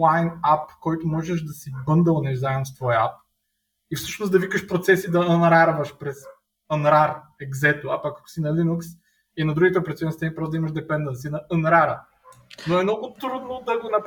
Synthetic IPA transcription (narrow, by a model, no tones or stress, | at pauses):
lˠajnapkɔjt̪ʊmɔʒɛʃd̪ɐsibɤnd̪əlˠnɛʒzaɛmost̪vɔjap̚ | ifsɤʃnosd̪ɐvikəʃpɾot̪sɛsid̪ɐənɾaɾvəʃpɾɛz | ənɾaɾɛɡzɛt̪oɐpakːɐ̥k̪ʊ̥sinɐlinuks | inɐd̪ɾuɡʲit̪ɛɐpɾɐt̪siɔɛnst̪ɛnipɾɔsd̪ɐiməʃd̪ɛpɛnd̪əns̬inɐʔənɾaɾə | noɛmnɔɡʊt̪ɾud̪nod̪ɐɡonɐp